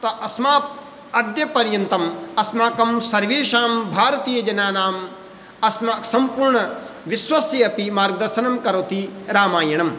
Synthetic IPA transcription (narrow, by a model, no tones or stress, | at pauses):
t̪ɐʔɐsmaːp | ɐd̪jɐpɐɾjɐnt̪ɐmɐsmaːkɐmsɐɾʋeːʃaːmbʱaːɾɐt̪iːjɐd͡ʒɐnaːnaːm | ɐsmaːksɐmpuɾɳɐʋiswɐsjɐɐpimaːɾɡ̚d̪ɐɾʃɐnɐmkɐɾoːt̪iɾaːmaːjɐɳɐm